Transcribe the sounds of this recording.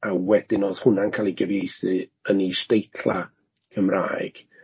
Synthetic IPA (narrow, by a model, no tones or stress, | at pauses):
awɛdɪnoːð̥hʊnankʰaːlˠiɡəvejsɨənistejtʰlˠa̰ | kʰəmra̰ːɨɡ̥